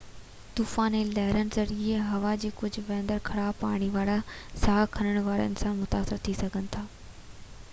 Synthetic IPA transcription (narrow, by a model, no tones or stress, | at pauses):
t̪uːfãːnelɐɦɪɾənɪ̆zɐɾieɦɐʋad͡ʑiːkʊd͡ʑʱʊ̆ʋɛ̃ːnd̪əɾkʰɐɽaːbpa̰ːɽ̃iʋaːɾasaːkʰɐnəɽ̃ʋaːɾə̰nɪ̆sãmʊt̪aːsɪɾt̪ʰisɐɡʱənɪ̆t̪ʰaː